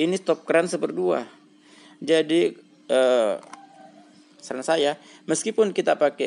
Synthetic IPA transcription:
inist̪ɔp̚kəɾansəbərdua̰ | d͡ʒadi | ə | sarnasajaməskipʊnkit̪apakɛ

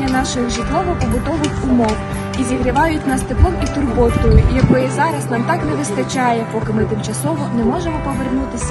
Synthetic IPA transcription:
ɐnɑʃɪxʒɪt̪lˠɔʋɔpɔbʊd̪ɔʋɪxʲʊmɔw | izʲiɦɾɪʋɑjʊtʲnɐst̪ɪplˠɔmit̪ʊrbɔt̪ɔjʊjɐkɔjɛzɑɾɐznɑmt̪ɑknɛʋɪst̪ɐt͡ʃɑjɛpɔkɪmɪt̪ɪmt͡ʃɐsɔʋɔnɛmɔʒemɔpɔʋernut̪ɪsʲ

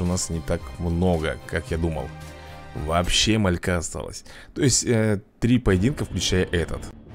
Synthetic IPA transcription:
ʊnasnʲɪt̪akmno̞ɡə̰kakjad̪umə̰lˠ | vɐpɕːe̞mɐlʲkaɐst̪a̰lˠə̰sʲ | t̪o̞jɪsʲtʲət̪ɾʲipəjɪdʲinkəfklʲʉt͡ɕæjəʔɛt̪ə̰t̪

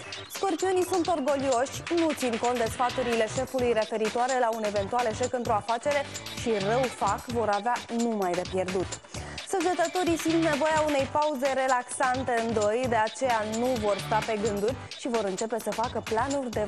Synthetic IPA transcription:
sko̞rpiunisunt̪o̞rɡo̞lio̞ʃʲnut̪sinkont̪d̪e̞sfat̪uɾile̞ʃe̞fulujre̞fe̞ɾit̪uaɾe̞laune̞ve̞nt̪ualeʃekɨnt̪ɾoafat͡ʃe̞ɾe̞ʃirəwfakvo̞ɾaveanumajd̪e̞pje̞rd̪ut̪səd͡ʒet̪ət̪o̞ɾisint̪ne̞vo̞jaune̞jpauze̞ɾe̞laksant̪e̞ɨnd̪o̞jd̪e̞at͡ʃe̞januvo̞rst̪ape̞ɡɨnd̪urʲ | ʃivo̞ɾɨnt͡ʃe̞pe̞səfakəplanurʲd̪e̞

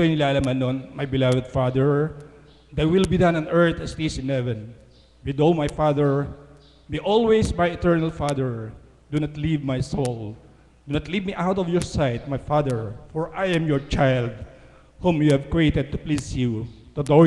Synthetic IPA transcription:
soɪ̃nɪlaːlamɐnonmajbɪlavɛd̪̚fad̪ɛɹ | d̪atwɪlbid̪ãnɔnɛɹt̪ɐst̪isɪ̃nhɛvɛ̃n | bɪd̪owmajfad̪ɛɹ | biʔɔlwejsmajɛt̪ɛɹnalfad̪ɛɹ | d̪unat̪livmajsol | d̪unat̪livmiʔawt̪ɔvjɔɹsajt̪̚majfad̪ɛɹfɔɹʔajɛ̃mjɔɹt͡ʃajld̪̚ | hũmjuhɛvkɹiet̪ɛd̪̚t̪ʊplisjut̪ud̪o

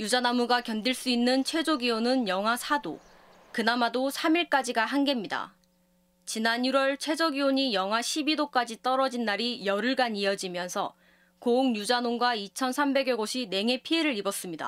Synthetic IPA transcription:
jud͡ʑanamuɡakjʌndiɭs͈uinːɯnt͡ɕʰwe̞d͡ʑoɡionɯnjʌŋɦasʰado̰ | kɯnamadosʰamiɭk͈ad͡ʑiɡaɦanɡe̞mɲida̰ | t͡ɕinanjuɾwʌɭt͡ɕʰwe̞d͡ʑʌɡioɲijʌŋɦaɕʰibidok͈ad͡ʑit͈ʌɾʌd͡ʑinːaɾijʌɾɯɭɡaɲiʌd͡ʑimjʌnsʰʌ | kouŋjud͡ʑanoŋɡwait͡ɕʰʌnsʰambe̞ɡeɡoɕʰine̞ŋe̞pʰieɾɯɾibʌs͈ɯmɲida̰

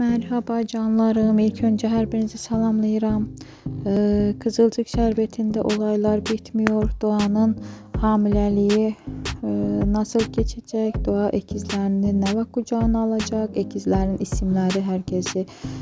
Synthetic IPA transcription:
mæɾɦɑbad͡ʒɑnlˠɑɾɯmilʲcʰønd͡ʒɛɦæɾbiɾinizisɑlˠɑmlˠɯjɯɾɑm | kʰɯzɯlˠd͡ʒɯkʃæɾbet̪ʰind̪æʔo̞lˠɑjlˠɑɾbit̪ʰmijo̞ɾd̪̥oɑnɯnhɑːmilʲælʲiji | nɑsɯlˠɟet͡ʃʰæd͡ʒɛcd̪̥oaʔecʰizlʲæɾininːɛvakːud͡ʒaːnɯalˠɑd͡ʒɑkecʰizlæɾinisimlʲæɾiɦæɾcʰesi

